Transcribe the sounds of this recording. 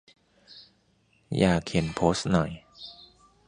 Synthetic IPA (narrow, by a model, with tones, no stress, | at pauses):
jaː˨˩kʰːi˨˩˦npʰoː˦˥st̪̚nɔ˨˩j